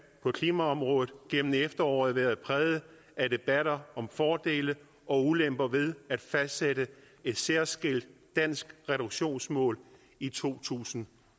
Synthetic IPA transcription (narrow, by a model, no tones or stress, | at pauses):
pʰɒ̽kʰliːmæɒ̽mʁɔ̽ːðˠð̩ˠɡ̥emn̩efd̥ɐɒ̰ːð̩ˠʋæɐðˠpʰʁɛːðˠə | ʔæd̥e̝b̥æɾ̥ɐɒ̽mfɒːd̥e̝̰ːlə | ɒ̽ulemb̥ɐʋe̝ð̞ˠæd̥fæsd̥seɾə | e̝d̥seɐsɡ̥el̰d̥ːæn̰sɡ̥ʁɛɾ̥uɡ̥ɕo̝̰ːnsmɔ̰̽ːl | it͡sʰo̝̰ːt͡sʰṵːsn̩